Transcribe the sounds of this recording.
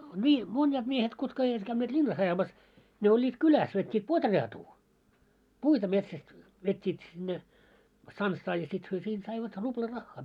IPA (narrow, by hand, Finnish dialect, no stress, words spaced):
nʲiː monʲjɑːt miehet kutkɑ eiʋæt kæynːeːt lʲinːɑs ɑjɑmɑs ne olʲːiːt kylæs ʋetʲːiːt potreɑtuː puitɑ metsæst ʋetʲːiːt sinːe stɑnsːɑː jɑ sit hyø siːnt sɑiʋɑt rub̥lɑ rɑxːɑː